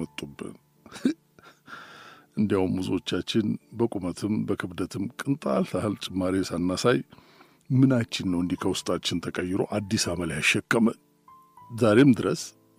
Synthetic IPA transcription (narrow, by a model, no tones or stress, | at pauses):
ət̪ʼːubːɨ̰n | ʔɨnd̪ijawumːuzo̞t͡ʃːat͡ʃːɪnbəkʷʼumət̪ʰɨmbəkʰɨβd̪ət̪ʰɨmkʼɨnt̪ʼa̰lt̪ahɨlt͡ʃʼɪmːaɾesanːasaj | mɨnat͡ʃːɪnːəwɨnd̪ikʰəwʊst̪ʼat͡ʃːɪnt̪ʰəkʼəjːɪɾo̞̰ʔad̪ːisaməljaʃːɛkʼːəmən | zaɾe̞md̪ɨɾəs